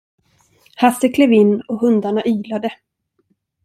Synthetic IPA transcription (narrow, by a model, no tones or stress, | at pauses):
hasːəkʰleːvɪnːɔɦɵnd̪aɳaʔyːlad̪ə